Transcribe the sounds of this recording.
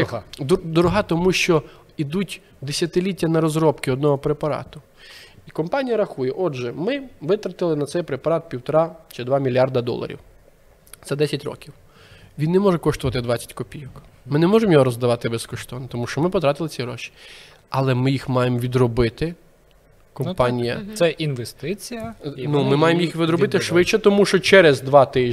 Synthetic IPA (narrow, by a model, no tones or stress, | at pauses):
d̪ɔɾɔɦɑt̪ɔmuʃt͡ʃɔ | id̪utʲ | d̪esʲɐt̪ɪlʲitʲːɐnɐɾɔzɾɔpkɪɔd̪nɔɦɔpɾepɐɾɑ̰t̪ʊ | ikɔmpɑnʲijɐɾɐxujɛʔɔʒɛmɪʋɪt̪ɾɐt̪ɪlˠɪnɐt̪sɛjpɾepɐɾɑt̪̚pʲiwt̪ɔɾɑt͡ʃɪd̪ʋɑmʲilʲjɑrd̪ɐd̪ɔ̰lˠɐ̰ɾʲḭw | t̪sɛd̪ɛsʲɐtʲrɔ̰kʲiw | ʋʲinːɛmɔʒɛkɔʃt̪ʊʋɐt̪ɪd̪ʋɑt͡sʲɐ̥tʲkɔpʲijɔkmɪnɛmɔʒemjɔɦɔɾɔzd̪ɐʋɑt̪ɪbɛskɔʃt̪ɔnt̪ɔmuʃt͡ʃɔmɪpɔt̪ɾɑt̪ɪlˠɪt͡sʲiɾɔ̰ʃi̥ | ɐlˠɛmɪjixmɑjemɔʋʲid̪ɾɔbɪt̪ɪ | kɔnmpɑnʲijɐsɛʔinʋest̪ɪt͡sʲijɐnumɪmɑjemjixʋʲɪd̪ɾɔbɪt̪ɪʃʋɪt͡ʃːɛt̪ɔmuʃt͡ʃɔt͡ʃɛɾɛzd̪ʋɑt̪ɪʒ